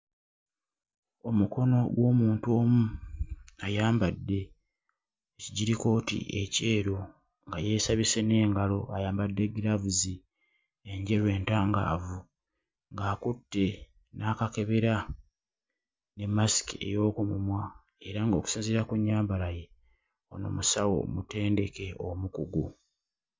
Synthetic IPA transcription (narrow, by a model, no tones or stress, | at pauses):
o̞muko̞no̞ɡwo̞ːmuːnto̞ːmu | ajaːmbadːe̞ | iɟiɾiko̞ːtḭḛce̞ːɾo̞ | ŋɡaje̞ːsaβise̞ne̞ːŋɡalo̞ajaːmbadːe̞ɡiɾavuzi | e̞ɲɟe̞ɾwe̞ːntaːŋɡa̰ːvu | ŋɡaːkutːe̞ | nakake̞βe̞ɾa | ne̞masi̥kie̞̰jo̞ːkumumwa | e̞ɾaŋɡo̞ːku̥siːnziɾakuɲːaːmbalaje̞ | ono̞̰musawo̰mute̞ːnde̞ke̞omukuɡu